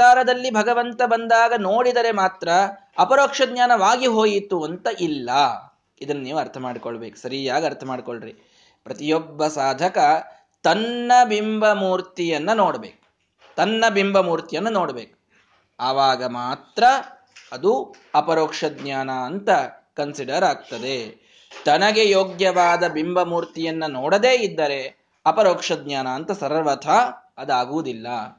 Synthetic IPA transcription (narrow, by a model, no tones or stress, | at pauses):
aːɾɐd̪ɐlːibʱɐɡɐʋɐnt̪ɐbɐnd̪aːɡɐnoːɽid̪ɐɾe̞maːt̪ɾɐ | ɐpɐɾoːkʂɐd̪ɲaːnɐʋaːɡiɦoːjit̪ːuɐnt̪ɐʔilːɐ | id̪ɐnːɐniːʋuɐɾt̪ʰɐmaːɽikoɭːɐbeːku̥sɐɾijaːɡiɐɾt̪ʰɐmaːɖikoɭɾḭ | pɾɐt̪ijɔbːɐsaːd̪ʱɐkɐ | t̪ɐnːɐbimbɐmuːɾt̪ijɐnːɐnoːɽɐbeːku̥ | t̪ɐnːɐbimbɐmuːɾt̪ijɐnːɐnoːɽɐbeːku̥ | aːʋaːɡɐmaːt̪ɾɐː | d̪u | ɐpɐɾoːkʂɐd̪ɲaːnaɐnt̪ɐ | kɐnsiɖɐɾaːɡ̚t̪ɐd̪e̞ | t̪ɐnɐɡe̞joːɡjɐʋaːd̪ɐbimbɐmuːɾt̪ijɐnːɐnoːɽɐd̪eːid̪ːɐɾe̞ | ɐpɐɾoːkʂɐd̪̚ɲaːnɐːnt̪ɐsɐɾɐʋɐt̪ʰaː | ɐd̪aːɡuʋd̪ilːɐ